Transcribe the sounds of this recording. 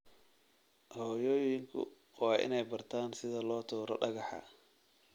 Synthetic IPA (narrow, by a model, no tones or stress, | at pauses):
hɔːjɔːjɪŋkʰʊ̰ | wɑːʔɪ̰nɛjbɐrt̪ʰaːnsɪðɐlɔːt̪ʰuːɾɐ̰ɖɐɣɐħɑ̰